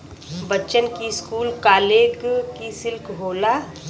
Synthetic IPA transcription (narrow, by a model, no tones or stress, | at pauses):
bətːʃənkiskuːlkaːleːɡkisɪlkʰɦoːlaː